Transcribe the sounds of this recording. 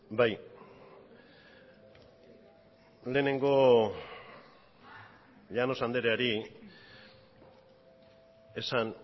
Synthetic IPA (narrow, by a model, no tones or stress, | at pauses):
baj | le̞ːne̞ŋɡo | ʎano̞sand̪eɾeaɾi | e̞san